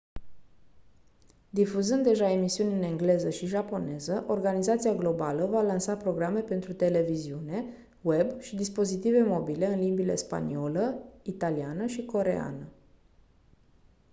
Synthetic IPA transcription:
d̪ifuzɨnd̪ːe̞ʒae̞misiunʲɨne̞ŋɡle̞zəʃiʒapo̞ne̞zəʔo̞rɡanizat̪siaɡlo̞baləvalansapɾo̞ɡɾame̞pe̞nt̪ɾut̪e̞le̞viziune̞ | we̞bʃid̪ispo̞zit̪ive̞mo̞bile̞ɨnlimbile̞̰spa̰nio̞ləit̪alianəʃiko̞ɾe̞̰a̰nə

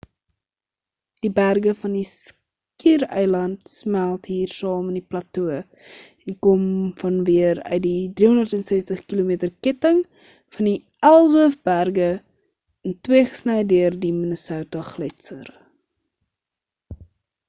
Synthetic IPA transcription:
d̥ibærɡəfɐndis | kiːrœ̰jlɐntsmælˠtɦiːrsɑːməniplɐtuə | ɛnkɔmfɐnviəɾœ̰ɥt̚didriɦɔndərtɛnsɛstəχkilomiːtərkɛtəŋ | fɐndi | ælˠzəəfbærɡə | ɛntwiəχə̥snɛjdøərdimənəsəwtɐχlətsə̰r

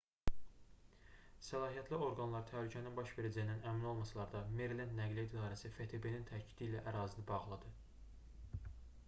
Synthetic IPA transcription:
sælˠɑːɦijæt̪ʰlio̞ɾɡɑnlˠɑɾt̪ʰæɦlycʰæninbɑʃve̞ɾæd͡ʒæjinænæmino̞lˠmɑsɑlˠɑɾd̪ɑmeɾlend̪næɡlʲid̪id̪ɑːɾæsifet̪ʰebe̞nint̪ʰæcʰi̥d̪iːlæʔæɾɑːzinɯbɑʁlˠɑd̪ɯ

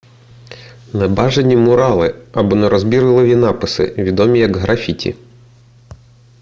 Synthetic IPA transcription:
nɛbɑʒenʲimʊɾɑlˠɪɐbɔnɛɾɔzbʲiɾɪlˠɔʋʲinɑpɪsɪ̰ʋʲid̪ɔmʲijɐɡɦɾʔɐfʲitʲḭ

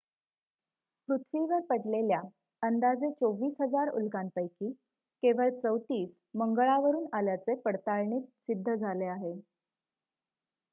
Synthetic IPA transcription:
pɾut̪ʰʋiʋəɾpəʈlelja | ənd̪ad͡zet͡soʋiːsɦəd͡zaɾṵlkanpəjkiː | keʋəlt͡səwt̪iːs | məŋɡɭaʋəɾuːnaljat͡sepəɽt̪aɭɳiːt̪̚sid̪ʱːəd͡zʱaleaɦe

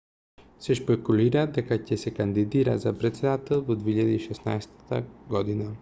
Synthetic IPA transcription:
sɛʃpɛkuliɾad̪ɛkacʲɛsɛkand̪id̪iɾa̰zapɾɛt̪sɛd̪at̪ɛlˠvod̪viiʎad̪iːʃɛsna̰jst̪ə̥t̪ə̰ɡɔd̪ina

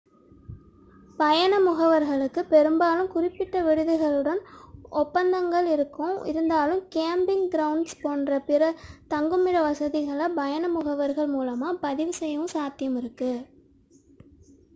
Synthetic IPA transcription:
pɐjɐnɐmʊɣɐʋɐɾɣɐɭɯkːɯpɛɾɯmbaːlɯmkʊrɪpːɪʈːɐʋɪɻɯðɯɣɐɭɯɽɐnʔɔpːɐnd̪ɐŋɡɐɭɪɾɯkːɯ̃mɪ̰ɾɯnd̪aːlɯmkeːmbɪŋɡɪɾɐʊnspoːnrɐpɪɾɐt̪ɐŋɡɯmɪɽɐʋɐsɐðɪɣɐɭɐbɐjɐnɐmʊɣɐʋɐɾɣɐɭmuːlɐmaːpɐðɪʋɯsɛjɐʋɯ̃saːt̪ɪjɐmɪɾɯkːɯ

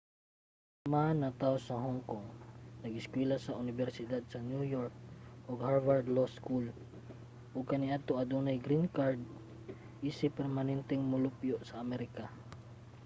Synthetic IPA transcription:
manɐt̪aosɐɦoŋkoŋnɐɡɪskwɛlasɐʔʊnɪbɛɾsɪd̪ad̪̚sɐnjujoɹk̚ʔoɡhaɹvaɹd̪loskul | ʔʊɡ̚kɐnɪʔat̪oʔɐd̪unajɡɾinkaɹd̪̚ | ʔisɪpːɛɾmanɛnt̪ɛŋmʊlʊpjoʔsɐʔːmɛɾɪka

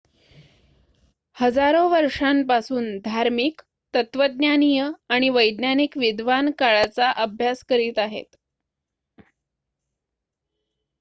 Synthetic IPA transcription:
həd͡zaɾoʋəɾʂampasuːnd̪ʱaɾmiːk | t̪ət̪ʋəd̪̚njanijəaɽ̃iʋəjd̪nanikʋid̪ʋankaɭat͡saʔəbʱjaskəɾiːt̪aɦḛt̪

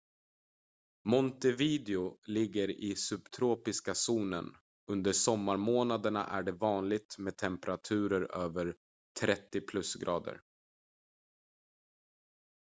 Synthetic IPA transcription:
mɔnt̪ɛviːd̪ɛʊlɪɡːəɾɪsɵbt̪ʰɾoːpɪskasuːnə̰n | ɵnd̪əʂɔmːaɾmoːnad̪əɳa̰ʔæɖɛvɑːnlɪɡ̚t̪meːd̪̚t̪ʰɛmpɛɾat̪ʰʉ̟ːɾəɾøːvəɾ | t̪ʰɾɛt̪ːɪpʰlɵsɡɾʔɑːd̪ə̰ɾ

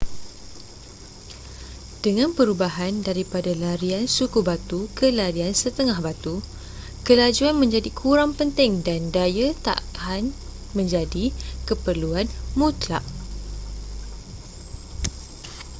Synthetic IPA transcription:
d̥əŋãnpəɾubaɦandaɾipadalaɾiansukubat̪ukəlaɾiansət̪əŋahbat̪u | kəlad͡ʒuanmə̃ɲd͡ʒadikʰuɾaŋpənt̪ɪŋdandajət̪a̰ʔkʰan | mə̃ɲd͡ʒadikəpərluanmũt̪la̰ʔ

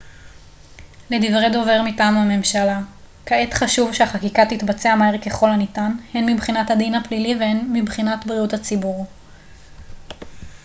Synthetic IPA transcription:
ledivʁedo̞ve̞ʁmitaːmame̞mʃala | kaet̪χaʃuvʃeaχakikatitbat͡seamaeʁke̞χo̞lanitanhenmibχinathadinhaplilivehenmibχinatbʁiutat͡sibuʁ

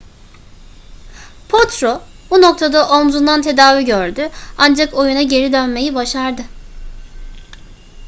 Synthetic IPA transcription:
pʰot̪ɾo | buno̞k̚t̪ʰad̪aʔomzund̪ant̪ʰe̞d̪aːviɟøɾd̪yand͡ʒako̞junaɟe̞ɾid̪ønme̞jibaʃaɾd̪ɯ

